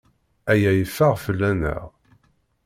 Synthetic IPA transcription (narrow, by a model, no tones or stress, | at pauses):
æjæjəfːəʁfəlːænə̰ʁ